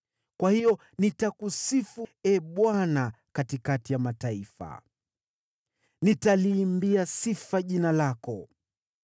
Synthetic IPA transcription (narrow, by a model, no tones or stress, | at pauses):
kwahijɔ | nitakusifuɛɓwana | katikatijamataifa̰ | nitaliːmbiasifaʄinalakɔ